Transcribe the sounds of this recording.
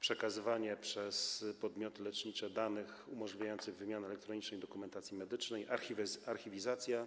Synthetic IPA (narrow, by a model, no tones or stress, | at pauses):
pʂɛkazɘvaɲɛpʂɛspɔd̪mʲjɔt̪ɘlɛt͡ʂɲit͡ʂɛd̪anɘxumɔʐlʲivʲjajɔnt̪sɘɣvɘmʲjanɘɛlɛkt̪ɾɔɲit͡ʂnɛjd̪ɔkumɛnt̪at̪sʲjimɛd̪ɘt͡ʂnɛjʔaivaɾxʲivʲizat̪sʲja